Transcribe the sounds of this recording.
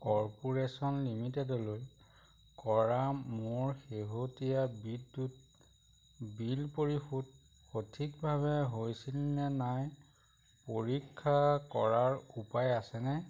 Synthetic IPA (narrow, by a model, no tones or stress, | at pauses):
kɔɹpoɹesɔnlimitɛdɔloj | kɔɹamoɹxeɦotijabidːut̚ | bilpoɹixut̚ | xotʰikbʱaβɛɦojsilnɛnaj | poɹikʰːakɔɹaɹupajasɛnɛ